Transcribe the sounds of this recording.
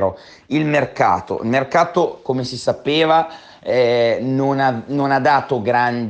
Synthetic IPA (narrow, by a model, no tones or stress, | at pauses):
ɾo | ilmerka̰ːt̪o̰ḭlmerkaːt̪okomesisapeːva | ɛnonanonad̪ːaːt̪oɡɾand̪